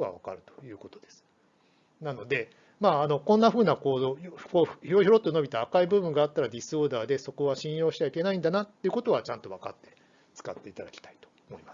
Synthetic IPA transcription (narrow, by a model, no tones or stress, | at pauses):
βa̰βa̰ka̰ɾɯ̟t̪o̥jɯ̟ːko̞t̪o̞d̪e̞sɨ̥ | nano̞d̪e̞ | maːno̞kõ̞nːaɸɯ̟ːnako̞ːojokoːçiɾoçiɾo̞t̪ːono̞bʲit̪aːkaibɯ̟bɯ̟̃ŋɡaːt̪ːaɾad̪ʲisoːd̪aːd̪e̞so̞ko̞β̞aɕĩɰ̃jo̞ːɕit̪eβai̥ke̞naĩnd̪anat̪ːeiɯ̟ko̞t̪o̞βat͡ɕãnt̪o̞β̞aka̰t̪ːe̞̥ | t͡sɨ̥kat̪ːe̞it̪ad̪akʲi̥t̪ḁi̥t̪o̥ | mo̞imas